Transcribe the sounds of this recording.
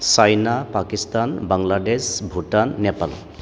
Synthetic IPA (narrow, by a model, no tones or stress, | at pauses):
sajnapakist̪anbaŋladesbʱutanːɛpal